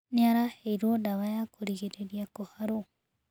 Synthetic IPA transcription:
neaɾaheiɾwɔdaβajakoɾiɣeɾeɾiakohaɾo

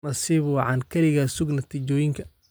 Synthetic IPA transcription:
ɐsiːβʊʕɑnkʰɐɾɪɣɐsʊɡnɐt̪ʰiːt͡ʃɔːjɪŋkʰɐ

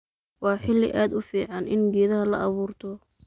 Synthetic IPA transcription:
wɑːħɪlːɪ̰ʔaːd̪ʊfiːʕɑnʔɪ̰nɡɛːðɐɦɐlɐ̰ʔɑβuːrt̪ʰɔ

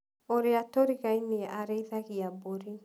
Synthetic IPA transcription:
oɾeatoɾiɣaineaʔaɾeiðaɣiaboɾi

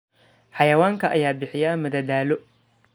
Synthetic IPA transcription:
ħɑjɐwaːŋkʰɐʔɐ̰jaːbɪħɪjaːmɐd̪ɐd̪aːlɔ

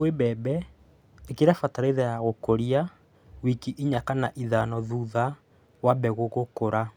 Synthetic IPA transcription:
webɛbɛ | ekeɾafataɾeðɛjaɣokoɾia | wikiʔiɲakanaʔiðanɔðuːða | wabɛɣoɣokoɾa

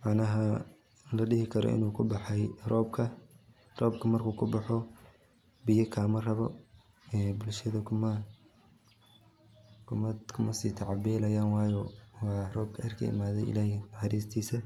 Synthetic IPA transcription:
mɑʕnɐɦɐ | lɐɖɪɦɪkʰɐɾɔ̰ʔɪ̰nuːkʰʊbɑħɛjrɔːbkʰɐ | rɔːb̚kʰɐmɐrkʰuːkʰʊbɑħɔ | bɪjɐkʰaːmɐrɐβɔ̰ | ɛːbʊlʃɐðɐkʰʊmɐ | kʰʊmɐkʰʊmɐsiːt̪ʰɑʕɑbɛːlɐjaːnwɑːjɔwɑːrɔːb̚kʰɐɐrkʰɐ̰ɪ̰maːðɛjɪ̰laːhɪħɑɾiːst̪ʰiːsɐ

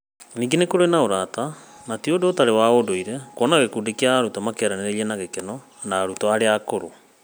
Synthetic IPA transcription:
niːŋɡenekoɾenaoɾaːtanatiodotaɾewaodoiɾɛkwɔnaɣekudekiaːɾutɔmakɛɾaneɾejenaɣekenɔ | naːɾutɔaɾeakoɾo

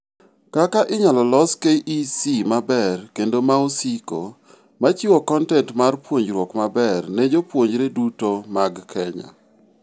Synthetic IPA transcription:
kakaʔɪɲɔlɔlɔskeʔisimabɛrkendomaosiko̰ | mat͡ʃiwɔkɔntɛntmarpwoɲd͡ʒɾwɔkmabɛrnɛd͡ʒopwoɲd͡ʒɾedutomaɡkʰɛɲa̰

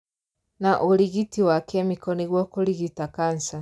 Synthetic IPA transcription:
naʔuliɣitiwakɛmikɔniɣwɔkuliɣitakansa

